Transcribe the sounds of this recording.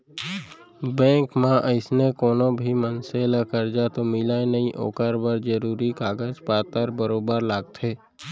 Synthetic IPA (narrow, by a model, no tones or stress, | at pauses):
bɛ̃ːŋkmãʔəɪsnekoːnõbʱimənseːlakəɾd͡ʒat̪omɪlaenəɦĩʔo̰ːkəɾbəɾd͡ʒəɾuːɾikaːɡəd͡ʒpaːt̪əɾbəɾoːbəɾlaːɡ̚t̪ʰeː